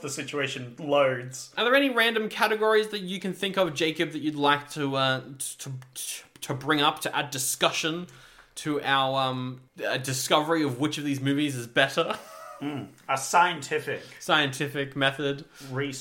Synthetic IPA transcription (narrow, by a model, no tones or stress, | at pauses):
ðəsɪt͡ʃueɪʃɨ̃nloʊdz̥ʔəðə˞ɛniɹæ̃ndɨ̃mkʰæɾɨɡɔɹizðɨt͡ʃɨkɨ̃nθɪ̃ŋkʌvd͡ʒeɪkɨb̚ðɨt͡ʃɨdˡlaɪk̚tʰɨʌtʰətʰɨbɹɪ̃ŋʌp̚tʰɨʔæəddɨskʌʃɨ̃n | tʰɨʔaʊəə˞ʌ̃mʌdɨskʌvə˞iʌvwɨt͡ʃʌvðizmʉvizɨzbɛɾə˞ | əsaɪɨ̃ntʰɪfɪksaɪɨ̃ntʰɪfɪkmɛθɨd̥ɹi